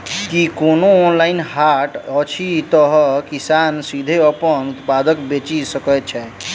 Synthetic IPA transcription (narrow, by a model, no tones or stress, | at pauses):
kikonoːnlainhaʈət͡ʃʰit̪əɦkisansid̪ʱeəpənut̪pad̪əkbet͡ʃisəkət̪̚t͡ʃʰɛ